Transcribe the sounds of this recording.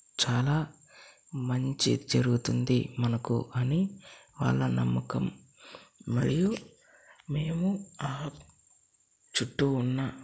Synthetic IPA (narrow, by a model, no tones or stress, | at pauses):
t͡ʃaːlaː | mɐɲt͡ʃḭd͡ʒɐɾuɡut̪und̪imɐnɐkṵʔɐniʋa̰ːɭːɐnɐmːɐkɐmː | ɐ̰ɾiju | me̞ːmuaː | t͡ʃuʈːuːnːɐ